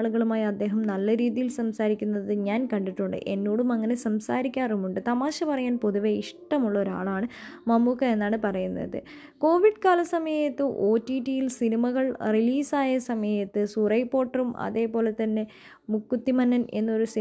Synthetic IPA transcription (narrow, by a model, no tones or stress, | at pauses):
ɭuɣɐɭumaːjiɐd̪ːe̞ːɦɐmnɐlːɐɾiːðijilsɐmsaːɾikʲːunːɐðɨɲaːnkɐɳɖiʈːuɳɖɨ̰ʔe̞nːoːɽumɐŋːɐne̞sɐmsaːɾikʲːaːrumuɳɖɨt̪ɐmaːɕɐpɐrɐjaːnpo̞ðuʋeiʂʈɐmuɭːɐo̞ɾua̰ːɭaːɳɨmɐmːukːɐenːaːɳɨpɐrɐjunːɐ̰ðɨ̰ | ko̞ːʋiɖkaːlɐsɐmɐjɐt̪ːɨʔo̞ːtːiːʈijilsinimɐɣɐɭriliːsaːjɐsɐmɐjɐt̪ːɨsurɐjpːo̞ːʈːɐrumʔɐ̰ðe̞ːpo̞ːle̞t̪ːɐnːe̞ | mukːut̪ːimɐnːɐne̞̰nːo̞ɾusi